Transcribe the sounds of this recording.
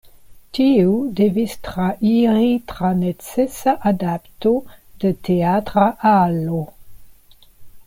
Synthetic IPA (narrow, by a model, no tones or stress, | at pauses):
tiudevistʁaʔiʁitʁanet͡sɛsaʔadaptodəteatʁaʔalo